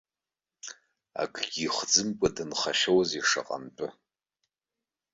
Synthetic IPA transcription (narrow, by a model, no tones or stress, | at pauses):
a̰kʼʰɡʲiχʷd͡zɨmkʷʼadɨnχaʃowziʂa̰qʼa̰npʼɨ